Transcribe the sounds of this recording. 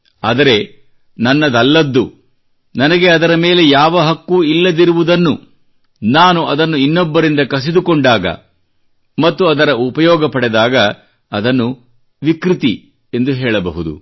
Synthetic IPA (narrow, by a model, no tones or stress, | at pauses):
aːd̪ɐɾe̞ | nɐnːɐd̪ɐlːɐd̪ːu | nɐnɐɡe̞ɐd̪ɐɾɐmeːle̞jaːʋɐɦɐkːuilːɐd̪iɾuʋud̪ɐnːu | naːnuɐd̪ɐnːuinːɔbːɐɾind̪ɐkɐs̬id̪ukoɳɖaːɡɐ̰ | mɐt̪ːuɐd̪ɐɾɐupɐjɔːɡɐpɐɽɛd̪aːɡɐː | d̪ɐnːu | ʋikɾit̪i | e̞nd̪uɦɛːɭɐbɐɦud̪ṵ